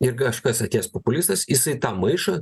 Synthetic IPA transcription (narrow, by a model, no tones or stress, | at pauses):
ɪɾkɐʃkɐsɐt̪ʲeːspopʊlʲɪst̪ɐsjɪsɐɪt̪ɑːmɐɪʃoː